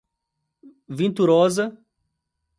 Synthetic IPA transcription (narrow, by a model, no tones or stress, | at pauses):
vĩnt̪uɾɔzɐ